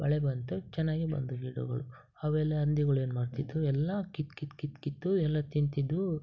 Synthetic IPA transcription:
bɐ̰ɭebɐnt̪ut͡ʃɛnːaːɡibɐ̰nd̪uɦiːɽṵɡɐ̰ɭu | ɐʋɛːlːeɐnd̪iɡɐɭue̞ːnumaːɽt̪id̪ːuɛlːɐkit̪kit̪kit̪kit̪ːuɛlːɐt̪int̪id̪ːu

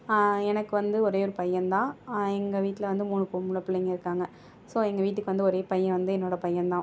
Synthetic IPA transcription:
ɛnɐkːɯʋɐnd̪ɯɔɾeːɔɾɯpɐjːɐ̃nd̪ãːɛŋɡɐʋiːʈːɪlɐʋɐnd̪ɯmuːɳɯpoːmʊɭɐpːɯlɐɪŋɡɐɪɾɯkːaːŋɡɐ | soːɛŋɡɐʋiːʈ̬ːɯkːɯʋɐnd̪ɯɔɾeːpɐjːɐ̃ʋɐnd̪ɯɛnːoːɽɐpɐjːɐnd̪ãː

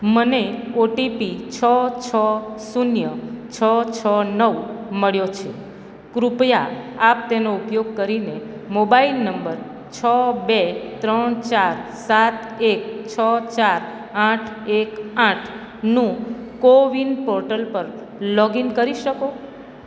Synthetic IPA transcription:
məneoʈipit͡ʃʰət͡ʃʰəsunjət͡ʃʰət͡ʃʰənəʋməɭjot͡ʃʰe | kɾupja | ap̚t̪enoupjoɡ̚kəɾine | mobailnəmbəɾ | t͡ʃʰəbet̪ɾəɳ̃t͡ʃaɾsat̪ | ek̚t͡ʃʰət͡ʃaɾ | aʈʰekãʈʰ | nũkoʋinpɔɾʈəlpəɾ | lɔɡinkəɾiʃəko

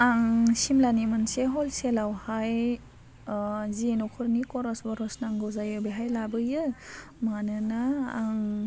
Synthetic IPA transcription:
aŋsimlanimɯnseɦɔlselawhaj | zinukʰɯɾnikɔɾɔsbɔɾɔsnaŋɡɯwzajɯbeɦajlabɯjɯ | manɯnaːŋ

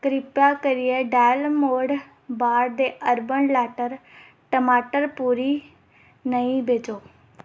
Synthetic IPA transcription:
kɾɪpjaːkəɾɪeːɖɛːlmoːɖ | baːɽd̪eːʔəɾbənlɛːʈəɾ | ʈəmaːʈəɾpuːɾiː | nəĩːbeːt͡ʃoː

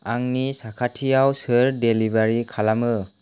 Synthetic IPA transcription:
aŋnisakʰatʰijawsɯɾdelibaɾikʰalamɯ

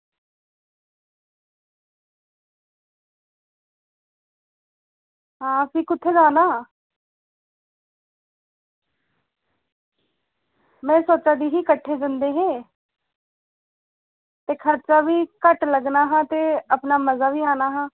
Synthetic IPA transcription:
ɦãːpʰikʊt̪ʰːeːd͡ʒaːnaː | mɛ̃ːsoːt͡ʃaːd̪iːɦiːkəʈʰːeːd͡ʒɪnd̪eːɦɛ̃ː | t̪eːkʰəɾt͡ʃaːʋiːkəʈləɡnaːɦãːt̪eːəpnaːməzaːʋiːaːnaːɦãː

